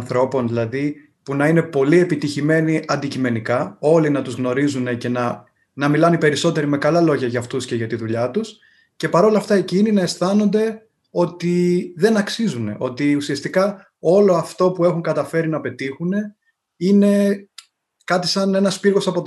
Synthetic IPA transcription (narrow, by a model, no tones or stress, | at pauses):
nθɾo̞po̞nðilɐði | punɐine̞po̞lie̞pit̪içime̞niʔɐnd̪icime̞nikɐo̞linɐt̪uzɣno̞ɾizune̞ce̞nɐ | nɐmilɐnipe̞ɾiso̞t̪e̞ɾime̞kɐlɐlo̞ʝɐʝɐːft̪usce̞ʝɐt̪iðuʎɐt̪us | ce̞pɐɾo̞lɐft̪ɐecininɐe̞st̪ɐno̞nd̪e̞ | o̞t̪iðe̞nɐksizune̞̰ʔo̞t̪iusiɐst̪ikɐ | o̞lo̞ɐft̪o̞pue̞xuŋkɐt̪ɐfe̞ɾinɐpe̞t̪ixune̞ | ine̞ | kɐt̪i̥sɐne̞nɐspiɾɣo̞sɐpo̞t̪